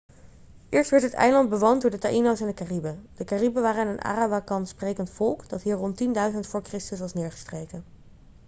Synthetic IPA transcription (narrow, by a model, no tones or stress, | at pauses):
ʔɪːɹstʋɛɹtɦətɛ̰jlɑnd̚bəʋondʊːɹdətaʔinosɛndəkaribəd̥əkaribəʋaːrəanənʔa̰ːrabakɑnsprejkəntfɔlˠkd̥ɑtɦiːɹrɔntindœɥzəntfʊːɹkrɪstəsʋɑsnɪːɹχə̥strejkən